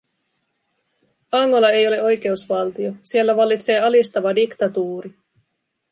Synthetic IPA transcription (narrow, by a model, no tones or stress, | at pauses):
ɑŋːo̞lɑe̞jo̞leo̞jk̟e̞usʋɑlt̪io̞sie̞lːæʋɑlːit̪se̞ːɑlist̪ɑʋɑdikt̪ɑt̪uːɾi